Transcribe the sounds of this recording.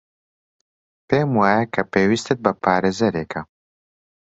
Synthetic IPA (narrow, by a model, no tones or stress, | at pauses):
peːmwaːjɐkʰɐpeːwist̪ɨt̪̚bɐpʰaːɾeːzɐɾeːkʰɐ